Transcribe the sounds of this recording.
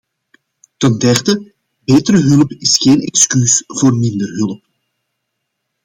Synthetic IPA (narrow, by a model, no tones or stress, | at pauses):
təndɛrdə | beːtəɾəɦɵlˠəpɪsxeːnɛkskysv̥oːrmɪndərɦɵləp̚